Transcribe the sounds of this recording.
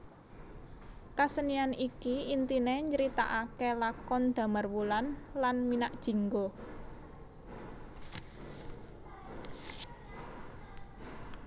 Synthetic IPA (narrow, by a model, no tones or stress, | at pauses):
kasənianikiint̪ineɲəɾit̪a̰ʔakelakɔnd̪̥a̤marwulanlanminaʔd̥ʒ̥i̤ŋɡo